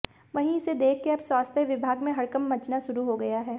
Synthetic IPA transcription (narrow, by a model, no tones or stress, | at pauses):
ʋɐɦĩɪsed̪eːkʰːeɐbswaːst̪ʰjəʋɪbʱaːɡmẽɦɐɽkɐmːɐt͡ʃnaʃʊɾuɦoɡɐjaɦɛː